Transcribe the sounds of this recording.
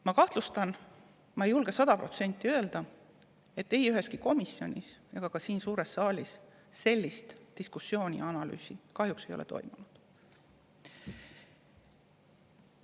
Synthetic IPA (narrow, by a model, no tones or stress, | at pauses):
mɑkɑht̪lust̪ɑn | mɑejulɡ̥e̞sɑd̪̥ɑpro̞̰t̪se̞nt̪ːˑiø̞eld̪̥ɑ | e̞t̪ːe̞jyɦe̞skiko̞misːio̞̰nʲiseɡ̥ɑkɑsiːnsuːɾe̞sːɑːlʲisː | e̞lʲːist̪d̪̥iskusːjo̞ːnʲḭɑnɑly̰ːsikɑhjukse̞jo̞let̪o̞̰jmunud̪̥